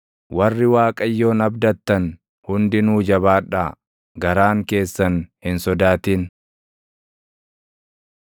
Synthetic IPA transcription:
wɐrːɪwaːkʼɐjːo̞ːnɐbd̪ɐt̪ːɐn | hʊnd̪ɪnuːd͡ʒɐβaːᶑːa | ɡɐɾaːŋke̞ːsːɐnhɪnsɔd̪aːt̪iːn

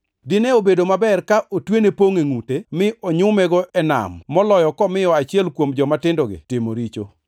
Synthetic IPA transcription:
dɪnɛobedomabɛrkaʔotwenepoŋeŋutemɪɔɲʊmɛɡɔʔɛna̰mːɔlɔjɔkɔmɪjɔat͡ʃɪɛlkwomd͡ʒɔmatɪndɔɡɪ̰tɪmoɾit͡ʃo̰

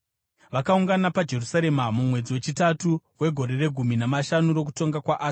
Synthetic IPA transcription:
ʋakauŋɡanapad͡ʒe̞rusaɾe̞mamumwe̞d͡ziwe̞t͡ʃitatuwe̞ɡʱo̞ɾe̞re̞ɡʱuminamaʃanuɾo̞k̬uto̞ŋɡakwaʔaːs

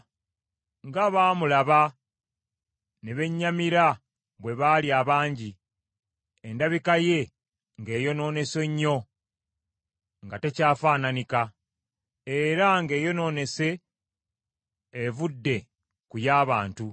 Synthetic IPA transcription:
ŋɡaβaːmulaβa | neβe̞ɲːamiɾa | βwe̞βaːliaːβaːɲɟi | endaβikaje̞ | ŋɡe̞ːjo̞no̞ːne̞se̞ɲːo̞ | ŋɡate̞caːfaːnanika | e̞ɾaŋɡe̞ːjo̞no̞ːne̞se̞ | vudːe̞ | kujaːβaːntu

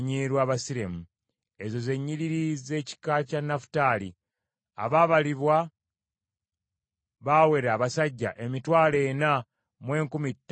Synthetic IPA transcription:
ɲiɾwaːβasiɾe̞mu | e̞zo̞ze̞ɲːiɾiɾize̞ci̥kacanːafu̥taːli | a̰βaβaliβwa | βaːwe̞ɾaːβasaɟːa̰ʔe̞mitwaːle̞ːna | mwe̞ːŋkumitː

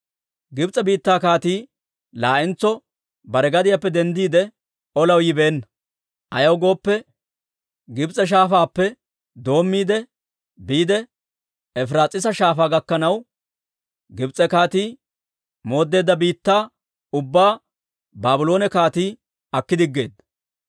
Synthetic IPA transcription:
ɡɪbt͡sʼɛbiːt̪ːaːkaːt̪iː | laːʔɪnt͡sːɔ | bɐɾɛɡɐd̪ɪjapːɛd̪ɛnd̪iːd̪ɛ | ɔlɐwjɪbe̞ːnːɐ | ʔɐjɐwɡo̞ːpːɛ | ɡɪbt͡sʼɛʃ̬aːfaːpːɛ | d̪o̞ːmːiːd̪ɛ | biːd̪ɛ | ɛfɾaːt͡sʼɪs̬ɐʃaːfaːɡɐkːɐnɐw | ɡɪbt͡sʼɛkaːt̪iː | mo̞ːd̪ːe̞ːd̪ːɐbiːt̪ːaː | ʊbːaː | baːbʊlo̞ːnɛkaːt̪iː | ɐkːɪd̪ɪɡːe̞ːd̪ːɐ

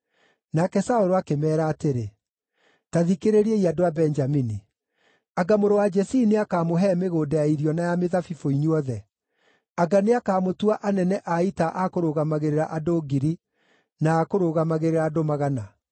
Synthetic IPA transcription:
nakɛsaoɾoakemɛːɾaːteɾe | taðikeɾeɾieiadoabɛnd͡ʒamini | aɡamoɾowad͡ʒɛsineakaːmoɦɛmeɣoːdɛaiɾjɔnajameðafifoiɲuɔðɛ | aɡaneakaːmotuaʔanɛnɛʔaitaʔakoɾoɣamaɣeɾeɾaʔadoɡiɾi | naːkoɾoɣamaɣeɾeɾaːdomaɣana

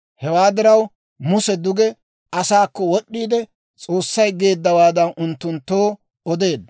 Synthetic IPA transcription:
hɛwaːd̪ɪɾɐw | mʊsɛd̪ʊɡɛ | ɐsaːkːɔwɔɗːiːd̪ɛ | t͡sʼo̞ːsːɐjɡe̞ːd̪ːɐwaːd̪ɐnʔʊnt̪ːʊnt̪ːo̞ː | ɔd̪e̞ːd̪ɐ

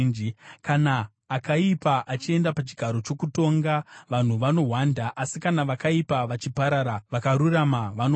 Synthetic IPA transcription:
nd͡ʒikanaː | kaipaʔat͡ʃie̞ndapat͡ʃiɡʱaɾo̞t͡ʃo̞kuto̞ŋɡaʋan̤uʋano̞ɦwandaʔasikanaʋakaipaʋat͡ʃipaɾaɾaʋakaɾuramaʋano

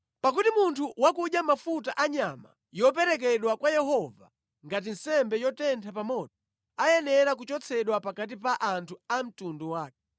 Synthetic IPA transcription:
pak̬utimuntʰuwakuʄjamafutaʔaɲama̰ | jɔp̬ɛɾɛk̬ɛɗwakwajɛhɔva | ŋɡat̬in̩sɛmbɛjɔtɛntʰapamɔɗɔ̥ | ajɛnɛɾak̬ut͡ʃɔt͡sʰɛɗwapakat̬ipaʔantʰuam̩tunduwaːkɛ

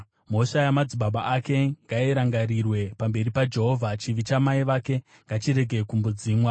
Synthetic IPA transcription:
m̤o̞ʃajamad͡ziɓaɓaʔake̞ŋɡaiɾaŋɡaɾirwe̞pambe̞ɾipad͡ʒe̞ɦo̞vʱat͡ʃiʋit͡ʃamaiʋake̞ | ŋɡat͡ʃiɾe̞ɡʱe̞kumbud͡ziːmwa

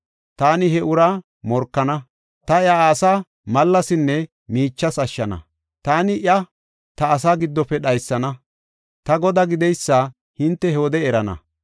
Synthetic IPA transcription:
t̪aːnɪɦɛʔʊɾa | mɔɾkːɐnɐ | t̪ɐjɐaːsaː | mɐlːɐsɪnːɛ | miːt͡ʃːɐsɐʃːɐnɐ̰ | t̪aːnɪʔjɐ | t̪ɐːs̬aːɡɪd̪ːɔpːɛɗɐjsːɐnɐ | t̪ɐɡɔd̪ɐɡɪd̪ɛjsːa | hɪnt̪ːɛhɛoɔd̪ɛɛɾɐnɐ̰

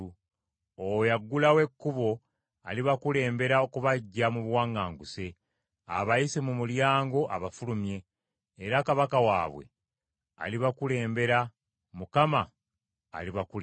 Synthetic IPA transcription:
ojaɡːulawe̞kːuβo̞ | aliβakule̞ːmbe̞ɾaokuβaɟːamuβwaːŋaːŋɡuse̞ | a̰βajisimumuljaːŋɡo̞ʔa̰βafulumje̞ː | ɾakaβakawa̰ːβwe̞̰ | a̰liβakule̞ːmbe̞ɾa | mukama̰ː | liβaku

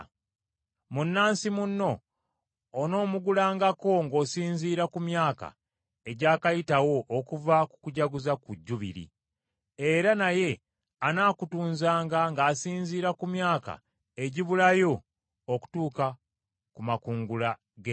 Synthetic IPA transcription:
munːaːnsimunːo̞ː | no̞ːmuɡulaːŋɡako̞ŋɡo̞ːsiːɲziːɾakumjaːka̰ | eɟaːkajitawo̞ʔːkuvaku̥kuɟaɡuzakuɟːuβḭɾḭ | e̞ɾanaje̞ | anaːkutuːnzaːŋɡaŋɡaːsiːɲziːɾakumjaːka̰ | e̞ɟiβulajo̞ | oku̥tuːka | kumakuːŋɡula | ɡe

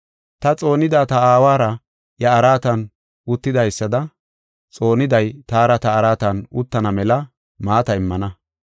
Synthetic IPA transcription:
t̪ɐt͡sʼo̞ːnɪd̪aːt̪ɐaːwaːɾɐ | jɐːɾaːt̪ɐn | ʊt̪ːɪd̪ɐjsːɐd̪ɐ | t͡sʼo̞ːnɪd̪ɐjt̪aːɾɐt̪ɐːɾaːt̪ɐnʊt̪ːɐnɐmɛlɐ | maːt̪ɐɪmːɐnɐ

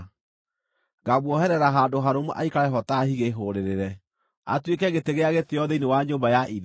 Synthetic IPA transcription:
ɡaβwɔhɛɾɛɾaɦaːndoɦaɾomuʔa̰ikaɾɛɦɔtahiɣeɦoɾeɾeɾɛ | a̰twekɛɣeteɣeaɣeteɔðɛinewaɲoːmbajaʔið

